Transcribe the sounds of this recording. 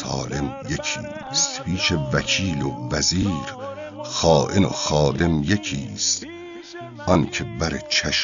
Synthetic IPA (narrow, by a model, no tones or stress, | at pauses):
ɒ̰ːle̞mjecʰḭː | st̪pʰiːʃevæcʰiːlovæziːɾ | xɒːʔeno̰xɒːd̪e̞mjecʰiːst̪ | ʔɒncʰebæɾḛt͡ʃʰæʃ